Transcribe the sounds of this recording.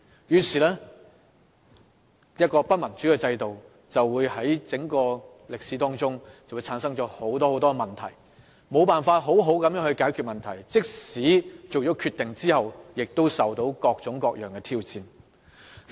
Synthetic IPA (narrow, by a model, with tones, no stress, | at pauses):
jyː˨˩siː˨˩lɛː˥ | jɐ˥t̚kɔː˧pɐ˥t̚mɐ˨˩nt͡ʃyː˨˥kɛ˧t͡sɐ˧jt̪o˨w | t͡sɐ˨wːuː˨˧jhɐ˨˥jt͡sɪ˨˥ŋkɔː˧ | lɪ˨k̚siː˨˥t̪ɔː˥ŋt͡sʊ˥ŋt͡sɐ˨wu˨˧jt͡sʰaː˨˥nsɐ˥ŋt͡ʃɔː˨˥ho˨˥wt̪ɔː˥ho˨˥wt̪ɔː˥ɡɛ˧mɐ˨nt̪ʰɐ˨˩j | mo˨˧wpaː˨˩nfaː˧t̚ɦo˨˥wɦo˨˥wkɐ˨˥mjœː˨˥hɵ˧ɥkaː˨˥jkʰy˧t̚mɐ˨nt̪ʰɐ˨˩jt͡sɪ˥k̚siː˨˥t͡so˨wt͡ʃɔː˨˥kʰyː˧t̪ːɪ˨ŋt͡siː˥hɐ˨wjɪ˨k̚t̪o˥wsɐ˨˩wt̪o˨˥wkɔː˧k̚t͡sʊ˨˥ŋkɔː˧k̚jœː˨˩ŋkɛ˧t̪ʰiː˥wt͡siː˧n